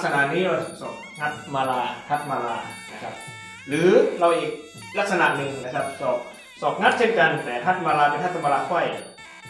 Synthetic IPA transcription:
k̚sa˧na˨˩ʔniː˦˥ɔ˧˩sɔː˨˩p̚ŋa˦˥t̪̚maː˧laː˧t̪ʰa˦˥˩t̪̚maː˧la̰ː˧na˦˥kʰa˦˥p̚ | ɾɯː˩˦ɾa˧wʔiː˨˩k̚ | la˦˥k̚sa˧na̰˨ʔnɯ˧ŋna˦˥kʰa˦˥p̚sɔː˨˩ | sɔː˨˩p̚ŋa˦˥t̪̚t͡ɕʰe˥˩nka˧nt̪ɛː˨˩t̪ʰa˦˥t̪̚maː˧laː˧pe˧nʰa˥˩t̪ʰːa˧mpaː˧laː˧kʰɔ˧˥˩j

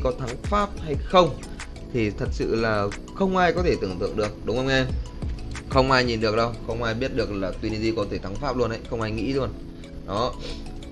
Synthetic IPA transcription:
kɔ˨˦t̪ʰa˨˦ŋfaː˦˥p̚ha˧jxə˧wŋ͡m | t̪ʰi˨˩t̪ʰə˨˩t̚sɨ̰˧˨laː˨˩ | xə˧wŋ͡mʔaː˧jkɔ˨˦t̪ʰe˧˩t̪ɨ˧˩əŋt̪ɨ̰˧˨əŋɗɨ˨˩ək̚ɗʊ˨˦ŋ͡mʔə˧wŋ͡mʔɛ˧m | xə˧wŋ͡mʔaː˧jɲi˨˩nɗɨ˨˩ək̚ɗə˧wxə˧wŋ͡mʔaː˧jɓi˦˥ət̚ɗɨ˨˩ək̚laː˨˩t̪wi˧ni˧zi˧kɔ˨˦t̪ʰe˧˩t̪ʰa˨˦ŋfaː˦˥p̚lu˧ənʔə̰˧˦jxə˧wŋ͡mʔaː˧jŋḭ˧˥lu˧ən | ɗɔ˨˦

